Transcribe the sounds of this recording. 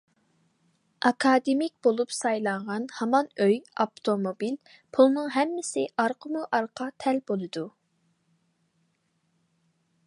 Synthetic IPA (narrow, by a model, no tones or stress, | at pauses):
ɑkʰɑd̪ɪmik̚ʲb̥olˠupsɑjlˠɑɴʁɑnhɑmɑnøjɑpt̪ʰomobil | pʰulˠnɨŋɦɛmːɪsɪʔɑɾqʰəmuʔɑɾqʰɑt̪ʰɛlbolˠɨd̪u